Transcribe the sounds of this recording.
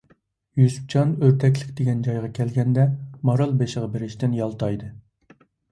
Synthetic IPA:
jyzp̚t͡ʃʰɑnøɾt̪ʰɛk̬ʲlɪkʲd̪eɡʲɛnd͡ʒɑjʁɑkʲʰɛlɡʲɛnd̪ɛmɑɾɑlˠbeʃəʁɑbeɾɪʃt̪ɪnjɑlˠt̪ʰɑjd̪ɨ

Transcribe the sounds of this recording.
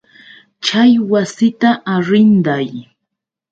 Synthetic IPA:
t͡ʃajwasɪt̪aʔaɾɪnd̪aj

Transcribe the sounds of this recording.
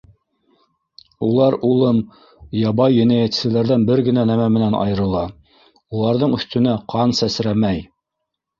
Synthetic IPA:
ulˠɑɾulˠɤm | jɑβɑjːɵ̆næjæt̪sɘ̆læɾðænbɘɾɡɘ̆nænæmæmɘ̆nænɑ̰jɤ̆ɾɤ̆lˠɑ | ulˠɑɾðɤɴɵ̆θt̪ɵ̆næqʰɑnsæsɾæmæj

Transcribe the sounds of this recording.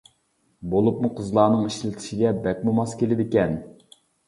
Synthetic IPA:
bolˠup̚muqʰəzlˠɑːnɨŋiʃlɪt̪ʰɪ̥ʃiɡʲɛbɛk̚ʲmumɑskʲelɪd̪ɪkʲɛn

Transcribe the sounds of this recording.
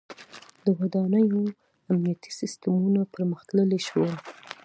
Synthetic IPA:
d̪əwad̪ɑnəjo | amnijat̪ʰi̥sɪst̪əmunapəɾməxt̪ləleʃwə

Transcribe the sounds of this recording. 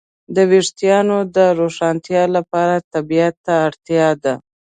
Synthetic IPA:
d̪əweʂt̪ijɑnod̪əɾoʂɑnt̪jɑlapɑɾat̪abijat̪ːaːɽt̪jɑd̪a

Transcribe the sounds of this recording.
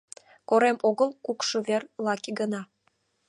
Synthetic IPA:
koɾemoɣəlˠkukʃɤ̆βerlɑkiɡə̆nɑ

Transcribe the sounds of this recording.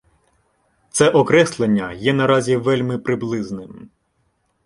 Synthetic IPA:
t̪sɛʔɔkɾɛslˠenʲːɐjɛnɐɾɑzʲiʋɛlʲmɪpɾɪblˠɪznɪm

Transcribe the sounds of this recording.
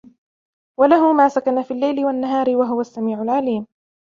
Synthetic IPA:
walaɦʊmaːsakanafiːlːajlɪwanːaɦaːɾɪwaɦʊwasːamiːʕʊlʕaliːm

